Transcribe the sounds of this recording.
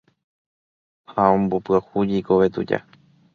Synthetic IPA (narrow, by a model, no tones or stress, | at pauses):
haõmbopɨahud͡ʒikoʋet̪ṵd͡ʒa̰